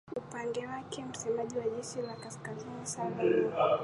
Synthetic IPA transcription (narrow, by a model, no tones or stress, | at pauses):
upandɛwakɛm̩sɛmaʄiwaʄɛʃilakaskazinisaɓa